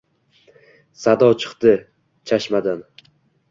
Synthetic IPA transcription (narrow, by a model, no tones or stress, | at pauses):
sad̪ɒwt͡ʃʰɨ̥qt̪ɪ | t͡ʃʰaʃmad̪an